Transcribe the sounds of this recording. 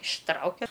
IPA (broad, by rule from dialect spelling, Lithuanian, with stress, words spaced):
ɪʃˈtrɐʊkʲɛ